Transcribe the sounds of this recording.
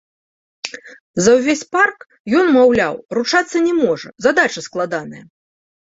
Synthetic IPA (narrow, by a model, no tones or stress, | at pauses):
zɐwvʲesʲpark | jɔnmawlʲawrut͡ʂat̪sːɐnʲɛmɔʐɐ̰zad̪at͡ʂɐsklˠad̪anɐjɐ